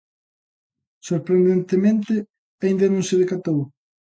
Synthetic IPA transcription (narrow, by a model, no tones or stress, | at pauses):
soɾpɾend̪ent̪emẽnt̪ɪ | aind̪ɐnõŋsɪðekat̪ow